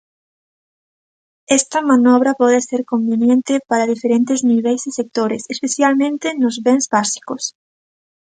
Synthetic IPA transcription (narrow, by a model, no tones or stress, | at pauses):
ɛst̪ɐmanɔβɾɐpɔðeseɾkombenjent̪ɪpaɾɐðifeɾent̪ezniβejzðɪsek̚t̪oɾesespeθjalmẽnt̪ɪnʊzβeŋzβasi̥kos